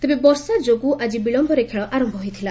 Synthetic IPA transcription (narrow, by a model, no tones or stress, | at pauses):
t̪ebebɔɾsad͡ʒoɡuʔad͡ʒibiɭɔmbʱɔɾekʰeɭɔʔaɾɔmbʱɔɦojt̪ʰila